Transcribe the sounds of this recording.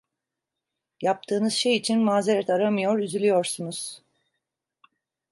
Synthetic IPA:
jap̚t̪ʰɯːnɯzʃe̞jit͡ʃʰinmaːze̞ɾɛt̪ʰaɾamɯjo̞ɾyzylʲijo̞ɾsunuz̥

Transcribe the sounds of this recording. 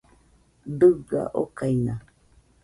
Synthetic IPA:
d̪ɨɡa̰ʔokaina

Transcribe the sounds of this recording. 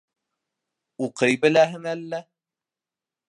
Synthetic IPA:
uqɤjbɘ̆læɦɘnælːæ

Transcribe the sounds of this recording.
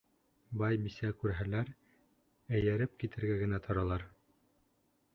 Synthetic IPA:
bɑjbisækʉɾɦælæɾ | æjæɾɘp̚kit̪ɘ̆ɾɡæɡɘ̆næt̪ʰɑ̆ɾɑlˠɑɾ

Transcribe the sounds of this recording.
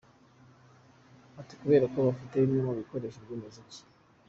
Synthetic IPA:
ati̥kuβe̞ːɾako̞βafite̞imɲomaβiko̞ɾe̞ːʃeɾɟimezici̥

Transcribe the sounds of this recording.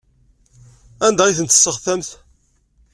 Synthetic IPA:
ænd̪æiθənt̪ːə̥sːəʁθæmθ

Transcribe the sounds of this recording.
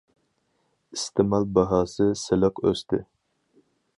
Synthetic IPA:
ist̪ʰɪmɑlˠbɑɦɑːsɨsɪləqø̰st̪ʰɪ

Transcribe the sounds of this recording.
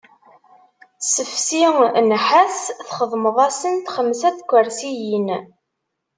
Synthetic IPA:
səfsinħæsθχəðˤməðˤɑsənt̪χəmsæθkʷːəɾsijin

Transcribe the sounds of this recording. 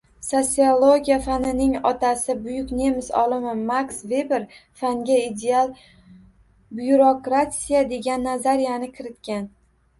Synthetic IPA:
sot̪siolˠo̞ɡʲijafanɪnɪŋɒt̪ʰasɪbʊjʊkʲne̞mɪsɒ̰lˠɪmɪmaksve̞beɾfaŋɡʲaid̪ealˠ | bjuɾokɾasʲijad̪e̞ɡʲanːazaɾijanɪkʲʰɪɾɪt̪kʲan

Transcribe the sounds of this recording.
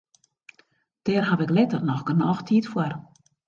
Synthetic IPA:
d̥ɛːrɦaʋɪklɪtərnɔxɡ̥ənɔːxtʰiːtfwər

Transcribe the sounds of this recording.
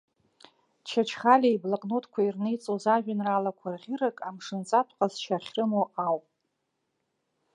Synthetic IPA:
t͡ʃʰat͡ʃʰχalʲaiblaqʼnotʰkʷʰairnejt͡sʼozaʒᶣanralakʷʰarʁʲiɾakʼamʂɨnt͡sʼatʷʰqʼazʃʰaχʲrɨmoʔawpʼ

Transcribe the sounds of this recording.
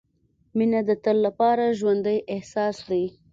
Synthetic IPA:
minad̪ət̪əlːapɑɾaʒwand̪əjʔɪhsɑsd̪ai

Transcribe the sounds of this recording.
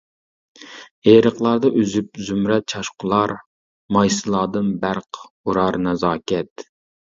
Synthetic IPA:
eːɾəqlˠɑɾd̪ɑʔyzyp̚zymɾɛt̪̚t͡ʃʰɑʃqʰʊlˠɑɾ | mɑjsɨlˠɑːd̪ɨnbæɾq | uɾɑɾnɛzɑːkʲɛt̪

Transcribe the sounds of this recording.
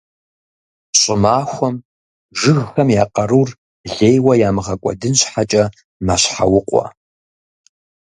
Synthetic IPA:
ɕʼɪmaːxʷɔm | ʒɨɣxɐmjaːqʼɐɾuːr | ɮeːjwɐjaːmɨʁɐkʷʼɔ̰dɨnɕħat͡ʃʼɐ | maɕħawʊqʷʼɔ̰

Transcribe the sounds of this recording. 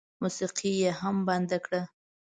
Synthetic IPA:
musiqʰijeɦamband̪akɽa

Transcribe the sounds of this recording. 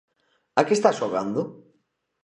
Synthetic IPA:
akest̪asʃoɣa̰nd̪ʊ

